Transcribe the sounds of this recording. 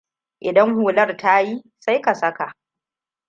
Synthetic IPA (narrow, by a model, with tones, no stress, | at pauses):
ʔɪ˨dɐ˦ŋhuː˨lɐ˦rta˦jiː˦ | sa˦jka˨sɐ˦ka˨ʔ